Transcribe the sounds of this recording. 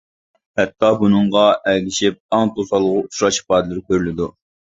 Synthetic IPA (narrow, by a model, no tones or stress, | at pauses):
hɛt̪ʰːɑbunɨŋʁɑʔɛlɡʲiʃip̚ɑŋt̪ʰosɑlˠəʁʊut͡ʃʰɾɑʃi̥pɑːd̪lɪɾkʲʰøɾlɪd̪u